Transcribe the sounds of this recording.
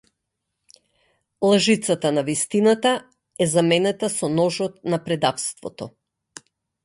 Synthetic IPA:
lˠaʒit̪sat̪anavist̪inat̪a | ɛzamɛnɛt̪asɔnɔʒɔt̪napɾɛd̪afst̪vɔt̪ɔ

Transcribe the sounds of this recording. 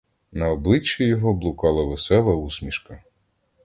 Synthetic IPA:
nɐɔblˠɪt͡ʃːujɔɦɔblˠʊkɑlˠɐʋesɛlˠɐusmʲiʃkɐ

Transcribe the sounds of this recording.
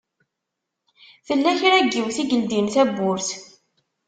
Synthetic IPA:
θəlːæçɾæɡːiwθiɡəld̪inθæbːʊɾθ

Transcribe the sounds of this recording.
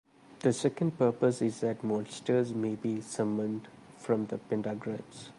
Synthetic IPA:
d̪̥əsɛkə̃ɳɖ̚pəɾpəsɪzd̪æʈmɔːlsʈəɾzmeːbiːsʌmə̃nɖ | fɾɔ̃md̪əpɪ̃ɳɖaɡɾabs

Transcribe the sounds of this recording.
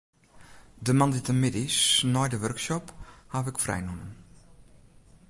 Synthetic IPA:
dəmanditəmɪdɪsnɔjdəʋørksɔphafɪkfrɛ̰jnunən

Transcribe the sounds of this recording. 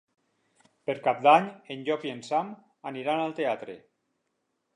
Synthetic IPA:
peɾkap̚d̪aɲenʎɔpjensam | aniɾanalˠt̪eat̪ɾḛ

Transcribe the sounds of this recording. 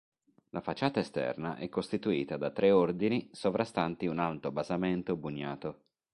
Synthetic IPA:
lʔafat͡ʃːaːt̪aest̪ɛ̰rna̰ʔɛkːost̪it̪uiːt̪ad̪at̪ːɾʔɛord̪inisovɾast̪ant̪iunalt̪obazament̪obuɲːaːt̪o

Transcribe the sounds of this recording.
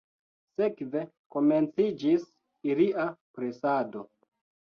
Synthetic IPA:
se̞kve̞ | ko̞ment͡sid͡ʒis | iliapɾesado̞

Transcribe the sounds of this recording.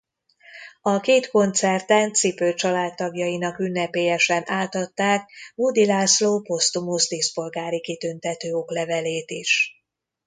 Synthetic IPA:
ɒkeːt̪ko̞nt̪sɛrt̪ɛnt̪sipøːt͡ʃɒlaːt̪ːɒɡjɒjinɒkynːɛpeːjɛʃɛnʔaːt̪ɒt̪ːaːkbud̪ilaːsloːpo̞st̪umusd̪eːspo̞lɡaːɾikit̪ynt̪ɛt̪øːo̞klɛvɛleːt̪iʃ

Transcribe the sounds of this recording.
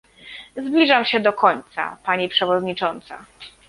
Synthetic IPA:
zblʲiʐamɕɛd̪ɔkɔɲt̪sa̰paɲipʂɛvɔd̪ɲit͡ʂɔnt̪sa̰

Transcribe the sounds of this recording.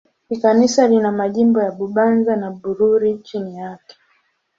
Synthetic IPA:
hikanisalinamaʄimbɔjaɓuɓanzanaɓuɾuɾit͡ʃinijakɛ̥

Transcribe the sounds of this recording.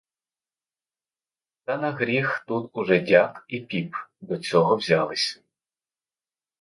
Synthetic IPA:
t̪ɐnɐɦɾʲixt̪ut̪ʊʒɛdʲakipʲipd̪ɔt͡sʲɔɦɔwzʲalˠɪsʲɐ̥

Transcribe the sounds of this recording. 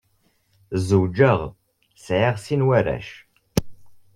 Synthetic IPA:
zud͡ʒəʁ | sʕiʁsinwæɾæ̰ʃ

